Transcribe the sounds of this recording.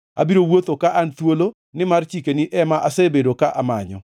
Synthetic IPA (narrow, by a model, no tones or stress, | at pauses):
a̰biɾowot̪okaʔant̪wolo | nɪmart͡ʃikeniʔɛmaʔasɛbedokaʔama̰ɲɔ̰